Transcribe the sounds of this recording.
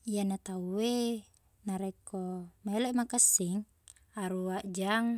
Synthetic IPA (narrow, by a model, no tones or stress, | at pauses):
ijanat̪auwe | naɾekomeleʔmakəsːiŋ | aɾuaʔd͡ʒaŋ